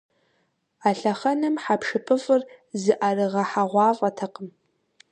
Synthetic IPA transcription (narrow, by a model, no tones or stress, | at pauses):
aɬɐχɐnɨmħapʰʂɨpʰɨfʼɨrzɨʔarɨʁɐħaʁʷɑːɮʼɐtʰɐqəm